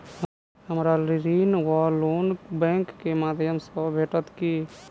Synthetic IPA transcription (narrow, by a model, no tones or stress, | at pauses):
ɦəmɾaliɾinwɔloːnbɛ̃ːŋkːemad̪ʱjəmsəbʱeːʈət̪ki